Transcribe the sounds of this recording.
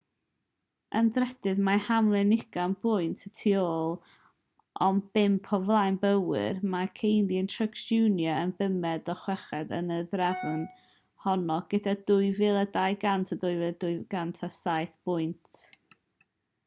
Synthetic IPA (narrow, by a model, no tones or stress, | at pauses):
əndrɛd̥ɨðmahamlˠɨnɪɡ̥anbʊjntʰətʰioːlˠ | ʔɔnb̥ɪmpʰɔvlˠajnbəwɪ̰rmakʰejnðiəntʰrəksunjəənbəmɛdɔχwɛχɛdə̰nəðrɛvɨn | hɔnɔɡ̥ədadʊɨvɪlˠədajɡantʰadʊjvɪdʊɨɡ̥antʰasajθb̥ʊɨntʰ